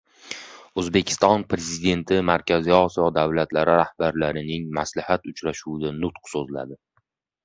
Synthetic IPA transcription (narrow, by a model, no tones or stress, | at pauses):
ɵzbe̞kʲʰɪ̥st̪ɒnpʰɾe̞zid̪e̞nt̪ʰɪmaɾkʲʰaziɒsijɒd̪avlat̪laɾɪɾahb̥aɾlaɾɪnɪŋmaslɪhat̪ʊt͡ʃɾaʃuwd̪anʊt̪qsozla̰d̪ɪ